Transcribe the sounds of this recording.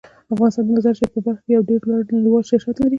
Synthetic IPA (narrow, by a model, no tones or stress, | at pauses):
afɣɑnɪst̪ɑnd̪azaɾt͡ʃepəbaɾxkejawɖeɾlwaɽnaɽiwɑlʃaʃat̪laɾi